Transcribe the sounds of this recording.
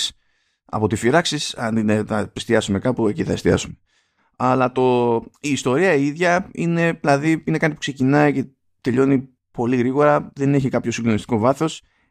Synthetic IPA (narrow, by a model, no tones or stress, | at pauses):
ɐ̰po̞t̪ifiɾɐksisɐnd̪inθɐpist̪iɐsume̞kɐpue̞ciθɐest̪iɐ̰sume | ɐlɐt̪o̞iːst̪o̞ɾiɐiðʝɐine̞ilɐðiine̞kɐt̪ipu̥kse̞cinɐice̞ | t̪e̞ʎo̞ni | po̞liɣɾiɣo̞ɾɐðe̞ne̞çikɐpço̞siŋɡd̪o̞nist̪iko̞vɐθo̞s